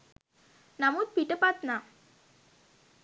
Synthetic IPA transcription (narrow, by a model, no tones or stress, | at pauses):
nɐmut̪̚piʈəpaːt̪na